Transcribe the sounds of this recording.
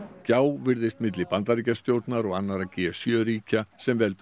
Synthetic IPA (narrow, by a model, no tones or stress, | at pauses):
caːwvɪɾðɪst̪mɪt̪lɪpant̪aɾiːcast̪joːwt̪naɾɔɣanːaɾacɛːasjœːɾiːcasɛmvɛlt̪